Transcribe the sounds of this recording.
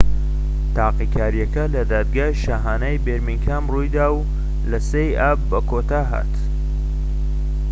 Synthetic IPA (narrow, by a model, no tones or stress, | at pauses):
t̪ʰaːqikʰaːɾijɐkɐlɐd̪aːd̪̚ɡaːʃaːɦaːnaːjbeɾmiŋkʰaːmrujd̪aːw | lɐsejaːb̚ːɐkʰot̪aːɦa̰ːt̪